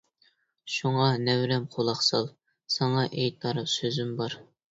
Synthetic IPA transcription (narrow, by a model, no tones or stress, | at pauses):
ʃuŋɑnɛwɾɛmqʰolˠɑχsɑ̰lˠ | sɑŋɑʔejt̪ʰɑɾɨpsøzymbɑɾ